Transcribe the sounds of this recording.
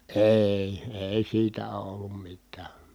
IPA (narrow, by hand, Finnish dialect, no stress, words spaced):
eˑi̯ eˑi siːtæ oː olːum mitˑæː